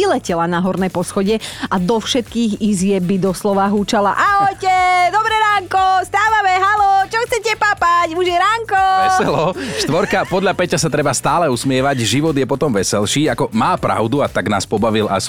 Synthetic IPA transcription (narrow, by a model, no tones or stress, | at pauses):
ilɛcɛlanaɦɔɾnɛjpɔsxɔɟɛʔad̪ɔfʃɛt̪kiːɣizɪɛbid̪ɔslɔʋaɦuːt͡ʃalaʔaɔjcɛd̪ɔbɾɛɾaːŋkɔst̪aːʋamɛɦalɔt͡ʃɔxt͡sɛcɛpapacmuʒjɛɾaŋkɔɛsɛlɔʃt̪ʋɔɾkapɔd̪ʎapɛcasat̪ɾɛbast̪aːlɛusmɪɛʋaɟʒiʋɔd̪jɛpɔt̪ɔmʋɛsɛlʃiːakɔmaːpɾa̰ʊd̪uat̪aɡna̰ːspɔbaʋilʔa̰s